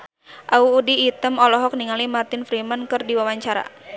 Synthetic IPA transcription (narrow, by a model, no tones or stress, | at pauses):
ʔauːdiːt̪əmɔlɔɦɔk̚niŋalimart̪ɪnfɾimankɨrdiwawaɲt͡ʃaɾa̰